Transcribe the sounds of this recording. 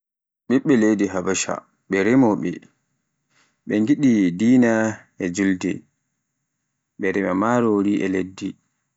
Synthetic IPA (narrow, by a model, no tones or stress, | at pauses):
ɓiɓːɛlejdiɦabaʃa̰ | ɓɛɾɛmɔɓɛ̰ | ɓɛŋɡiɗidiːna | ɛd͡ʒuldɛ̰ | ɓɛɾɛmamaːɾoɾiʔɛledːi